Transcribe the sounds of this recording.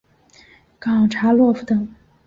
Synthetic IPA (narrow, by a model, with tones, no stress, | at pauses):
kɑ˨˩ŋʈ͡ʂʰa˧˥lwɔ˥˩fu˨˩t̪ɤ˨˩˦ŋ